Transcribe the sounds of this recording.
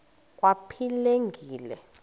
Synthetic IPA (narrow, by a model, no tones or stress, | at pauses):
k̬ʼwapʰileŋɡʱiːlɛ̰